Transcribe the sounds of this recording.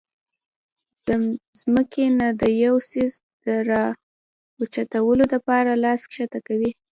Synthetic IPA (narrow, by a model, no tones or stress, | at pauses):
d̪̥əzməkʰenad̪əjawsizd̪̥əɾɑ | wət͡ʃat̪awəlod̪əpɑɾalɑskʃat̪akawi